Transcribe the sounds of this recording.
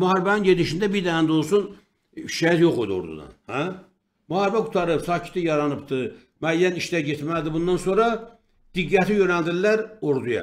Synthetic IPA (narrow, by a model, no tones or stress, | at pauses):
muɦɑɾbæninɟed̪iʃind̪æbiɾd̪æænd̪olˠsun | ʃæjæt̪joχod̪uo̰ɾd̪ṵd̪ɑ̰nhæ | muhɑɾbæɡut̪ʰɑɾɯpsɑːcʰi̥t̪ijɑɾɑnɯpt̪ɯ | mæːjːæniʃd̪æɟet̪ʰmæld̪ibund̪ɑnsoɾɑ | d̪̥iɡːæt̪ʰijønæld̪illːæɾoɾd̪ujɑ̰